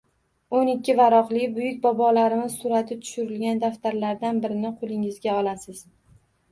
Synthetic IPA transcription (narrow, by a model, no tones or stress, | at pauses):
onɪkʲːɪvaɾɒqlɪbʊjɪkʲbɒbɒlaɾɪmɪz̥sʊɾat̪ʰɪt̪ʰʊ̥ʃʊɾɪlɡʲand̪aft̪ʰaɾlaɾd̪anbɪɾɪnɪqʰolˠɪŋɪzɡʲaɒlˠasɪz̥